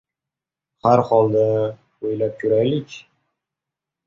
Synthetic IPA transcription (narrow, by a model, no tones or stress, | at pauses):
haɾhɒlˠd̪a | ojlap̚kʲʰʊɾajlɪkʲ